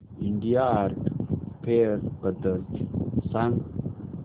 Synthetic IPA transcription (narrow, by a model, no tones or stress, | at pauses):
iɳɖiaːɾkpʰeɾbəd̪əɾt̪sãŋɡ